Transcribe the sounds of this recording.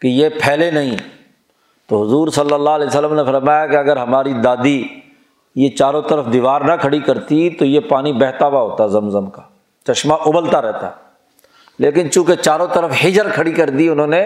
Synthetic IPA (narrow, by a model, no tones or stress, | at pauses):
kejepʰɛːlenɐɦĩ | t̪oɦʊzuːɾsɐlːəlːalɛːsəlːəmnefɐɾmaːjakeɐɡəɾɦɐmaːɾid̪aːd̪i | jet͡ʃaːɾõt̪əɾəfd̪iʋaːɾnɐkʰɐɽikɐɾt̪it̪ojepaːnibɛːɦt̪aʋaɦoːt̪aɛzɐmzəmkaː | t͡ʃɐʃmaʔʊbəlt̪aɾɛɦt̪aɛ | leːkɪnt͡ʃũːket͡ʃaːɾõt̪əɾəfɦɪd͡ʒəɾkʰɐɽikɐɾd̪iʊnõːne